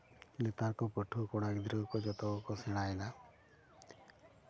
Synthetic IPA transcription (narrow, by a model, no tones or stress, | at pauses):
let̪aɾkɔpɔʈʰukɔɽ̃aɡid̪ʱɾɔkɔd͡ʒɔt̪ɔɔkɔseɽ̃ajla